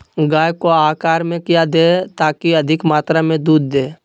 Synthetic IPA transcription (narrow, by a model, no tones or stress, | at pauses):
ɡaːjkoaːkaːɾmẽkɪjad̪eːt̪aːkiəd̪ʱɪkmaːt̪ɾamẽd̪uːd̪ːeː